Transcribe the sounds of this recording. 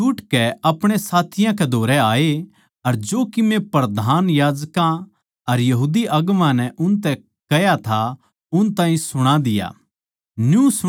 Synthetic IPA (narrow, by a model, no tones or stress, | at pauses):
ʊːʈkɛɐpɽ̃esaːt̪ʰɪjãkɛd̪ʱoːɾɛaːe | ɐɾd͡ʒoːkimẽpɾɐd̪ʱaːnjaːd͡ʒkã | ɐɾjɐɦuːd̪iʔɐɡʋãnɛʔʊnt̪̬ɛ | kɐjat̪ʰa | ʊnt̪ãːɦĩsʊɽ̃ad̪ɪja̰ː | njusʊ